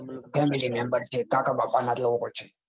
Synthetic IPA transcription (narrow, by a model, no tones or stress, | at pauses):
pʰɛmilimɛ̃mbəɾt͡ʃʰekakabapanat̪ləʋoɦojt͡ʃʰe̥